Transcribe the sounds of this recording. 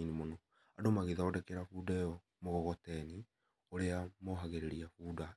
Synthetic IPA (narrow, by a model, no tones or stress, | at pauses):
inimonɔ | adomaɣeðaodɛkɛɾafuːdajɔ | moɣɔɣɔtɛni | oɾeamoɦaɣeɾeɾiafuːda